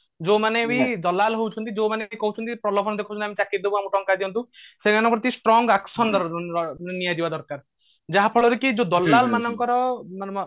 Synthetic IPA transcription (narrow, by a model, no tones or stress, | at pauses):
d͡ʒomanebid̪ɔlalɦewt͡ʃʰɔnt̪id͡ʒomaneikɔɦut͡ʃʰɔnt̪ipɾɔlɔbʰʱɔnɔd̪ekʰut͡ʃʰnt̪iamit͡ʃakit̪̚d̪ebuamuʈɔŋkad̪iɔnt̪ũseɡanɔpɾɔt̪isʈɾɔŋɡaksɔnd̪ɔɾɔnijad̪ibad̪ɔɾkaɾ | d͡ʒaɦapʰɔɭɔɾukid͡ʒod̪ɔlːalmanɔŋkɔɾɔman